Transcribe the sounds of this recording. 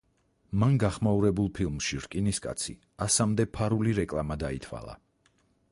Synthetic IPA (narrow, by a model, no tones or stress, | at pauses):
manɡaχmauɾɛbulˠpʰilˠmʃiɾkʼiniskʼa̰t̪sʰi | asamd̪ɛpʰaɾuliɾɛkʼlˠamad̪ait̪ʰwa̰lˠa̰